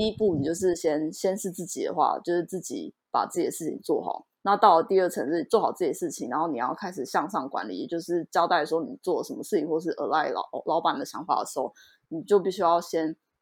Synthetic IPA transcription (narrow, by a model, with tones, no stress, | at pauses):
t̪i˥˧i˥pu˥˩ni˨˩t͡ɕjo˥˧ʊʂ̬ɻ̩˥˩ɕjɛ˥nɕjɛ˥nʂɻ̩˥˧t͡sɹ̩˥˩t͡ɕḭ˨˩d̪ə̰˦xwa̰˥˩t͡ɕjo˥˧ʊʂɻ̩˥˧t͡sɹ̩˥˩t͡ɕḭ˨˩˦ | pa̰˨˩t͡sɹ̩˥˩t͡ɕi˨˩˦ʂɻ̩˥˩t͡ɕʰḭ˨˩ŋt͡swɔ̰˥˩xɑ̰˨˩˦ʊna˥˧t̪ɑ˥˩ʊlə˩t̪i˥˧ə˥˩ʈ͡ʂʰə˧˥ŋʂɻ̩˥˩t͡swɔ˥˩xɑ˨˩ʊt͡s̩˥˩t͡ɕjɛ˥˩ʂɻ̩˥˩t͡ɕʰi˨˩ŋɻa˧˥nxo˥˩ni˨˩jɑ̰˥˩ʊkʰa˥ɪʂɻ̩˨˩ɕjɑ˥˧ŋʂɑ˥˩ŋkwa̰˧˥nlḭ˨˩t͡ɕjo˥˧ʊʂɻ̩˥˩t͡ɕjɑ˥ʊt̪a˥˩ɪə˩ʂ̩˧˥xo˥˩˧ni˨˩t͡swɔ˥˩lə˩ʂə˧˥mə˧ʂɻ̩˥˩t͡ɕʰi˧˥ŋxwɔ˥˧˩ə˧ʂɻ̩˥˩ʔə̰˧˥la˥˩ɪl̰lɑ˧˥ʊpa˨˩nd̪ə˦˩ɕjɑ˧˥ŋfa̰˨˩d̪ə̰˩ʂɻ̩˧˥xo˥˩ʊ | ni˨˩t͡ɕjo˥˧ʊpi˥˩ɕy˥jɑ˥˩ʊɕjɛ˥n